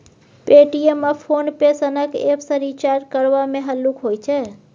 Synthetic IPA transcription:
peʈieməpʰonpesənəkḛpʰsəɾit͡ʃaɾɾkəɾʋamẽɦəlːukɦojt͡ʃʰɛ

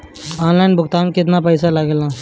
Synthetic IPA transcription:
aːnlaːɪnbʊkt̪aːmkɪt̪̬napəːsalɐɡelãː

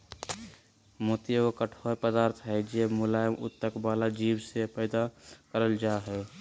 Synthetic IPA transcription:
moːt̪ijəokəʈʰoːpəd̪aːɾt̪ʰɦɛd͡ʒemʊlaːjəmʊt̪ːəkbaːlad͡ʒiːbsepɛːd̪akəɾəld͡ʒaːɦɛː

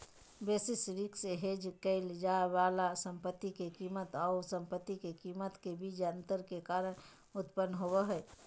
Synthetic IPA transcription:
besisɾikseɦed͡ʒkəɪld͡ʒaebalasəmpət̪ːikekimət̪aʊsəmpət̪ːikekimət̪kebid͡ʒənt̪əɾkekaɾən | ut̪pənːɦobəɦə

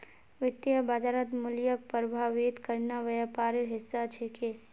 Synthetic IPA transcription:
ʋɪt̪jəbad͡ʒaːɾət̪mʊljək̚pəɾbʱaːʋit̪kəɾnaʋɐjapaːɾɪɾɦɪsːat͡ʃʰeke

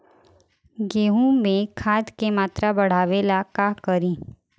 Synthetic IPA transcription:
ɡeːɦũmẽkʰaːd̪kemaːt̪ɾabɐɽ̤aːʋelakakəɾĩ

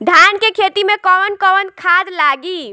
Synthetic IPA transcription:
ɖʱankekʰet̪imekɔwənkɔwənkʰad͡ʒlaɡi

